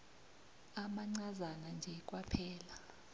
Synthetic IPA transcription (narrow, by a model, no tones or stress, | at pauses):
amaŋ͡ǀazanand͡ʒʱɛk̬ʼwapʰɛːla